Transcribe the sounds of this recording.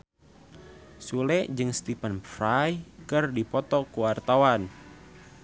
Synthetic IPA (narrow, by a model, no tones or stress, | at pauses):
sulɛʔd͡ʒɨŋst̪ipənfɾajkɨrdipɔt̪ɔkuwart̪awan